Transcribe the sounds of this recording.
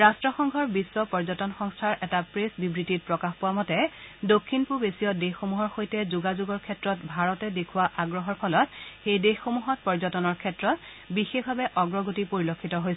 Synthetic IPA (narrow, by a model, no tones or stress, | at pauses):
ɹastɹɔxɔŋɡʱɔɹbiswɔpɔɹzɔtɔnxɔŋstʰaɹʔɛtapɹesbibɹitit̚pɹɔkaxpɔwamɔtɛdokʰːinpubesijɔdexxomuɦɔɹxojtɛzuɡazuɡɔɹkʰɛtɹɔtbʱaɹɔtɛdekʰʊwaʔaɡɹɔɦɔɹpʰɔlɔtxejdexːomuɦɔt̚pɔɹzɔtɔnɔɹkʰɛtɹɔt | bixexbʱabɛʔɔɡɹɔɡotipoɹilokʰːitɔɦojs